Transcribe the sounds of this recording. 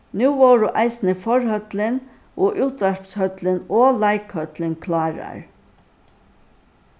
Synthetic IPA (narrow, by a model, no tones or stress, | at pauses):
nʉːʋɔːɾʊʔaɪsnəfɔɹhœt̪lɪn | ʔɔːʔuːt̪ʋæɹpshœt̪lɪnɔːlaɪkhœt̪lɪnkʰlɑːɹa̰ɹ